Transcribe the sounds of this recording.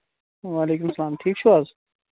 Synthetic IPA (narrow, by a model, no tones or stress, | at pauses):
ʋaːleːkʊmsɐlaːmʈʰiːk̚t͡ʃʰuaz